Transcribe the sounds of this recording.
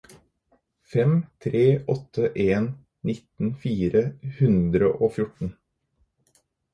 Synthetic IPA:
fɛmt̪ʰɾeːʔɔt̪ʰːəʔeːn | nɪt̪n̩fiːɾəhʉnd̪ɾəʔoːfjʊʈɳ̩

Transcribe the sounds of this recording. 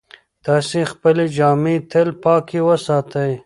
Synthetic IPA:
t̪ɑːsĩxpəled͡ʒɑːmet̪ʰelpɑːkiwɐsɑːt̪ɐj

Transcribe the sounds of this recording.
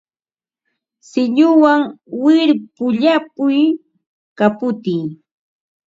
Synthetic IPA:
sɪɲʊwaŋwɪɾpʊʎapʊj | kapʊt̪iː

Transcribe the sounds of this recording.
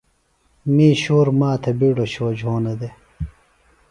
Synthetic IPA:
miːɕoːɾmaːt̪ʰɐbiɽoɕoːd͡ʑɦoːnɐd̪e

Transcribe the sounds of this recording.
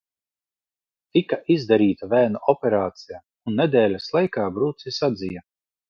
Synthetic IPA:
t̪ikaʔizd̪aɾiːt̪avʲæːnaʔɔpʲɛɾaːt̪sija | unːed̪ʲɛːlʲaslˠajkaːbɾuːt̪sisad̪zija

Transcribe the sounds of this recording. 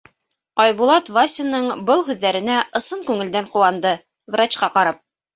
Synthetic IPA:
ɑjβulˠɑt̪vasʲɪnːɤɴbɤlˠhʉðːæɾɘ̆næʔɤ̆sɤɴkʉŋɘ̆ld̪æɴquwɑnd̪ɤ | vrɑt͡ɕqɑqɑɾɑp̚

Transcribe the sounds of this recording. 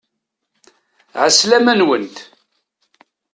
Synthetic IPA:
ʕəslæmænwənt̪

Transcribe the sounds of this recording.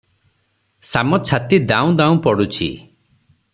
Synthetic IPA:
samɔt͡ʃʰat̪id̪ãũd̪aũpɔɽut͡ʃʰḭ

